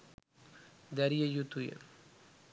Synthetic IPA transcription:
d̪ɐɾijɐjut̪ːujɐ̰

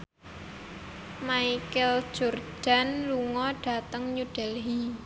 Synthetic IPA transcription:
maikɛl̥ʒ̥o̤rd̥a̤nluŋɔɖ̥a̤t̪əŋɲuɖ̥ɛlɦi

